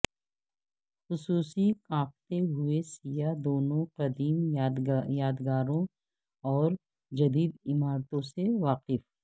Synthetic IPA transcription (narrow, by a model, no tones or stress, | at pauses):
xʊsuːsikãːk̚t̪eɦʊesijad̪oːnõqɐd̪iːm | jaːd̪ɡaːɾõ | ɔːɾ | d͡ʒɐd̪iːd̪ɪmaːɾt̪õseʋaːqɪf